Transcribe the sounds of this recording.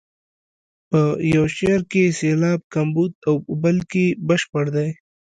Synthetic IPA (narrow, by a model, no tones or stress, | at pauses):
pəjawʃeɾkeselɑːb̚kambud̪̚awbəlkebəʃpəɽd̪aj